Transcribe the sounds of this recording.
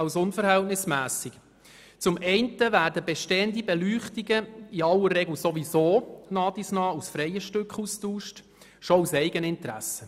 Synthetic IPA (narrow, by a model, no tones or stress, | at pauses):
ɑlsʊnfəɾhɛltnɪsmæːsiɡ | t͡sʊmɛɪntəʋæːrdəbɛʃteəndibɛlyːχtiɡəiɑlːəɾːɛɡl̩soʋisoːnɑːdisnɑːusfɾɛjəʃtʏkχustuːʃt | ʃɔusɛɪɡənɪntɾæ̰sə